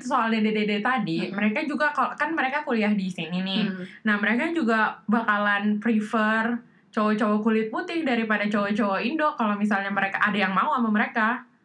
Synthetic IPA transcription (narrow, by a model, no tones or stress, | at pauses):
t̪us̬oaldedededet̪adiməɾekad͡ʒuɡakalkanməɾekakuliahdisininɪhnahməɾekad͡ʒuɡabakalanpɾifər | t͡ʃowɔt͡ʃowɔkulɪt̪̚mut̪ɪhdaɾipadat͡ʃowɔt͡ʃowaindɔkalomisalɲaməɾekaʔadajaŋmauamaməɾeka